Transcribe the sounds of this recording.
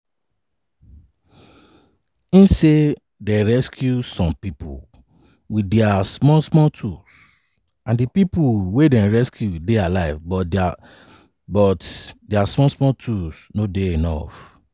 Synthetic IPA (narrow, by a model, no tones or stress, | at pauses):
ĩnse | dɛɹɛskʰjusɔ̃mpipṵ | widɛasmɔsmɔtʰus | ãndipipuwedɛ̃nɹɛskʰjudealaɪvbɔ | bɔtdɛasmɔsmɔtʰusnodeenɔ̰f